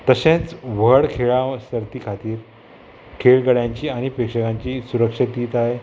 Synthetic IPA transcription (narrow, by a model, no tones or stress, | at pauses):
t̪əɕẽt͡sʋəɽkʰeɭasəɾt̪iːkʰat̪iːɾ | kʰeɭɡəɽjãɲt͡ɕiːaɽ̃ipekʂəkãɲt͡ɕiːsuɾəkʂət̪iːt̪aɦe